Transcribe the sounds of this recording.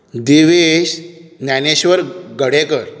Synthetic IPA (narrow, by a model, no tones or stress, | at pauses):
d̪iʋeɕnjaneɕʋəɾɡəɽekəɾ